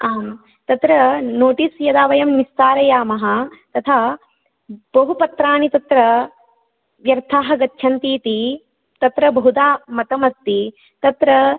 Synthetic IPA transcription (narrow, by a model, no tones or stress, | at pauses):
aːm | t̪ɐt̪ɾɐnoːʈisjɐd̪aːʋɐjɐmːist̪aːɾɐjaːmɐɦɐ̆t̪ɐt̪ʰaː | bɐɦupɐt̪ɾaːnit̪ɐt̪ɾɐ | ʋjɐɾt̪ʰaːɦɐ̆ɡɐtʃʰɐnt̪iːt̪i | t̪ɐt̪ɾɐbɐɦud̪aːmɐt̪ɐmɐst̪i | t̪ɐt̪ɾɐ